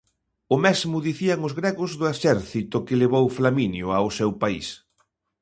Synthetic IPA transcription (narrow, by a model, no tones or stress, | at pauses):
ʊmezmʊðiθiaŋʊzɣɾeɣʊzðʊeʃɛɾθit̪ʊkɪleβowflaminjʊaosewpaḭs